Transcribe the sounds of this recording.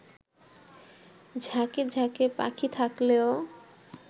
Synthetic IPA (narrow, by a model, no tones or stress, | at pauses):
d͡ʑʱaked͡ʑʱakepa̰kʰit̪ʰakleo